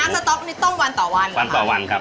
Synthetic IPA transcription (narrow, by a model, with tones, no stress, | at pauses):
a˨˦˥ŋa˧t̪ɔ˦˥ni˦˧˥t̪ɔ˥˩ŋwa˧nt̪ɔː˨˩˦wa˧na˧nt̪ɔː˨˩wa˧nkʰa˦˥p̚